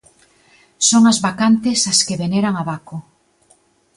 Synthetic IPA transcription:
soŋazβakant̪esaskeβeneɾaŋaβako

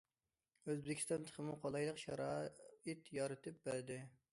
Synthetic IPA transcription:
øzbɪkʲi̥st̪ɑnt̪ʰə̥kʰəmuqʰolˠɑjlˠəqʃɑɾɑit̪jɑɾɨt̪ʰɨp̚bæɾd̪ɪ

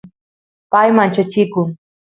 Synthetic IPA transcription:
pajmant͡ʃat͡ʃɪkʊŋ

